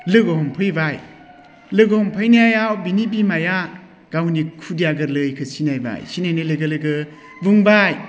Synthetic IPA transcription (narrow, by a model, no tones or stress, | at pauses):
lɯɡɔɦɔmpʰɯjbaj | lɯɡɔhɔmpʰɯjnajajawbinibimaja | ɡ̥awnikʰudijaɡɯɾlɯjkʰɯsinajba̰jsinajnelɯɡɯlɯɡɯ | buŋbaj